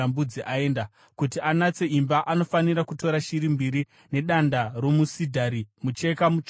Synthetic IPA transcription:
ambud͡ziʔae̞ːnda | kutianat͡se̞imbaʔano̞faniɾakuto̞ɾaʃiɾimbiɾi | ne̞ɗandaro̞musidʱaɾimut͡ʃe̞kamut͡ʃ

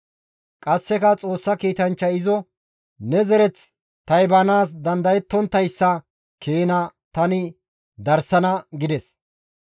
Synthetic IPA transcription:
kʼɐsːɛkɐt͡sʼo̞ːsːɐkiːt̪ɐnt͡ʃːɐɪzɔ | nɛzɛɾɛt͡s | t̪ɐjbɐnaːs̬d̪ɐnd̪ɐjɛt̪ːɔnt̪ːɐjsːɐ | kʰeːnɐt̪ɐnɪ | d̪ɐɾsɐnɐɡɪd̪ɛs

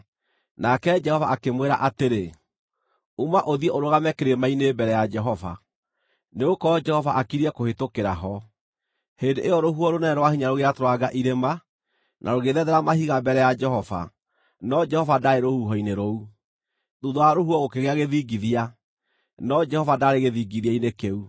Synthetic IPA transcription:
nakɛd͡ʒɛhɔvaʔakemweɾaʔateɾe | umaʔoðiɛʔoɾoɣamɛkeɾemainebɛɾɛjad͡ʒɛɦɔva̰ | neokɔɔd͡ʒɛhɔvaʔakiɾiɛkohetokeɾaɦɔ | hendeʔejɔɾoɦuɔɾonɛnɛɾwahiɲaɾoɣeatoɾwaɡaʔiɾema | nʔa̰ɾoɣeðɛðɛɾamahiɣambɛɾɛjad͡ʒɛhɔva̰ | nɔd͡ʒɛhɔvadaɾeɾohuɦɔineɾou | ðuðoaɾohuɔɣokeɣeaɣeðiɡiðia | nɔd͡ʒɛhɔvadaɾeɣeðiɡiðiainekeu

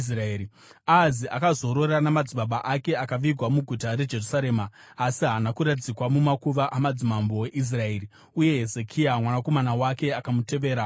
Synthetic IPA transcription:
sraeːɾi | aːziʔa̰kazo̞ɾo̞ɾanamad͡ziɓaɓaʔake̞akaʋiɡʱwamuɡʱutaɾe̞d͡ʒe̞rusaɾe̞ːmaː | siɦanakuɾatid͡zikwamumakuʋaʔamad͡zimambo̞we̞ʔis̬rae̞ːri | uje̞ɦe̞ze̞kʰiamwanako̞manawake̞akamute̞ʋe̞ːɾa

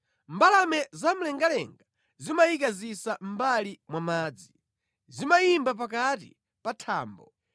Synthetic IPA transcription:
mbalamɛzam̩lɛŋɡalɛŋɡa | zimajikazisam̩balimwamaːd͡zi | zimaimbap̬akatḭ | patʰaːmbɔ

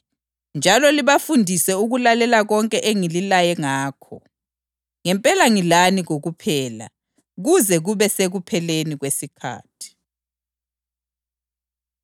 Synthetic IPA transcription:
nd͡ʒʱalɔliβafundʱisɛuɣulalɛlaɣɔŋkʼɛʔeŋililajɛŋaːkʰɔ̰ | ŋɛmpʼɛlaŋilaniɣoɣupʰɛːla̰ | ɣuzɛɣuβɛseɣupʰɛleniɣwesikʰa̰ːtʰi̥

